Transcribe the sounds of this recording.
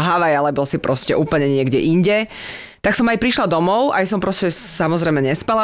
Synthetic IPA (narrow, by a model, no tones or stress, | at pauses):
ɦaʋajalɛbɔlsipɾɔscɛ̰ʔuːpl̩ɲɛɲɪɛɡɟɛ̰ʔiɲɟɛ | t̪aksɔmajpɾiʃlad̪ɔmɔʊʔa̰jsɔmpɾɔscɛsamɔzɾɛjmɛɲɛspala